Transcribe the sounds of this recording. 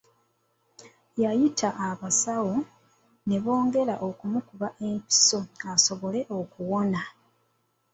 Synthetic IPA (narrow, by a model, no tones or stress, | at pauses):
jajitʰaʔːβasawo̞ | ne̞βo̞ːŋɡe̞ɾa̰ʔo̞kumukuβaʔe̞mpi̥so̞aso̞βo̞le̞ʔo̞kuwo̞na